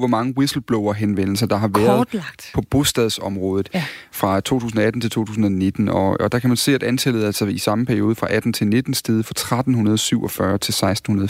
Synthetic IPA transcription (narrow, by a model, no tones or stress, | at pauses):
ʋɒmɑ̈ŋəwisl̩b̥lɔʊɐɦenʋen̰l̩s̬ɐd̥ɑ̈ɦɑ̈ʋæɐðdɡ̥pʰɒ̽b̥o̝sd̥ɛðˠsɒ̽mʁɔːðˠð̩ˠfʁɑ̈t͡sʰo̝̰ːt͡sʰṵːs̬n̩ɒæd̥n̩t͡sʰe̝lt͡sʰo̝̰ːt͡sʰuːsn̩ɒne̝d̥n̩ɒ̽ɒd̥ɑ̈kʰæmænse̝̰ːæd̥ænt͡sʰelð̩ˠælsɐisɑ̈məpʰæɐio̝ːð̞ˠəfʁɑ̈ʔæd̥n̩t͡sʰe̝lne̝d̥n̩sd̥e̝ːðˠfʁɑ̈t͡sʰʁad̥n̩ɦunɐð̞ˠsyʊ̰ɒ̽fɶɐt͡sʰe̝lsɑ̈ɪsd̥n̩hunɐð̩ˠ